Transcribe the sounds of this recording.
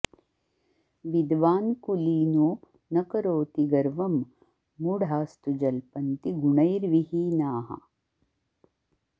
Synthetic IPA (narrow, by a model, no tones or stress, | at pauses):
ʋid̪ʋaːnkuliːnuː | nɐkɐɾoːt̪iɡɐɾʋɐmː | uɽʱaːst̪ud͡ʒɐlpɐnt̪iɡuɳɐjɾʋihiːnaːɦɐ̰